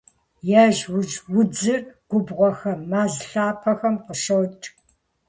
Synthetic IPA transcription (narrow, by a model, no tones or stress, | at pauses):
jaːʒwd͡ʒwʊd͡zɨrɡ̥ʷʊbʁʷɔxɐmaːzɬaːpʰɐxɐmqəʃowt͡ʃʼ